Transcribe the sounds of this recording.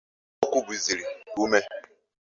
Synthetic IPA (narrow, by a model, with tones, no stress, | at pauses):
ɔ˦kʷu˦bi˨zi˨ɾi˨u˦me˦